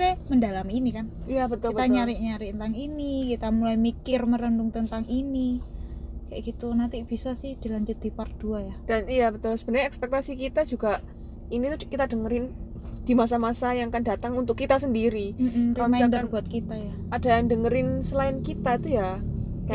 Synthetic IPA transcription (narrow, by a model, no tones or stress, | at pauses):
ɛməndalaminikanijabət̪ʊlibət̪aɲaɾɪʔɲaɾiʔt̪ənt̪aŋinikit̪amulajmikɪrməɾəndʊŋt̪ənt̪aŋini | kajʔa̰ʔɡit̪unant̪ib̥isasɪhd̥ilaɲd͡ʒʊt̪̚d̥̪ipard̥uajad̥anjabət̪ʊlsəb̥ənərɲaɛkspɛk̚t̪asikit̪ad͡ʒuɡa | init̪ukit̪adəŋəɾɪn | d̥imas̬amasajaŋkandat̪aŋunt̪̬ʊkːit̪asəndiɾim̩m̩rimaɪnb̪ərbuat̪̚kit̪aja | adandəŋəɾɪnsəlaɪnkit̪at̪uja | ka